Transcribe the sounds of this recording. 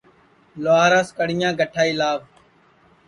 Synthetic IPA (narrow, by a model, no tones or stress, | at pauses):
loaːɾaːskəɽ̤ɪjãːɡəʈʰaːiːlaːʋ